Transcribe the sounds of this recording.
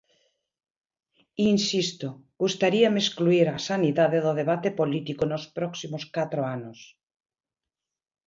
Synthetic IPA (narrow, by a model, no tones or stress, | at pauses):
insist̪oɡust̪aɾiameskluiɾasaniðaðeðoðeβat̪epolit̪ikonospɾɔksimoskat̪ɾoanos